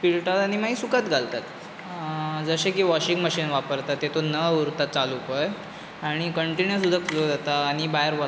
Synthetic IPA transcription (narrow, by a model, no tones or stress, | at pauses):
piɭʈat̪aɽ̃imaɦisukat̪ɡʱalt̪at̪ | d͡zəɕekiːʋɔɕiŋɡməɕiːnʋapəɾt̪at̪ːet̪onəuɾt̪at̪̚t͡salupəj | aɽ̃ikəɳʈinəɾsud̪ʱːakd͡zod͡zat̪aːɽ̃ibajəɾʋɔ